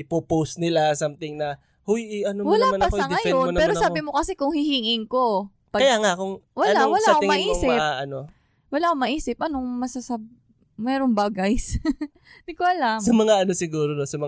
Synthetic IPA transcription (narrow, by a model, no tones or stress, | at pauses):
ʔɪpoposnɪlasamt̪ɪŋnɐ | hojʔɪʔɐnowɐlaːmɐasɐŋɐjompɛːɾosaːbɪmo̞kɐsɛkʊŋhɪhiːŋɪŋko̞ | pɐkɐjaŋakʊŋwɐlnawɐlaɐkoɪŋmʔiːŋsɪaʔɐno | wɐlaːkomɐʔiːsɪp̚ʔɐnoŋmɐsɐsɐb̚ | mɛːɾoŋbaːɡɐjs | d̪iɡ̚koʔɐlamsɐmɐŋaʔɐnosɪɡuːɾonosɐmɐ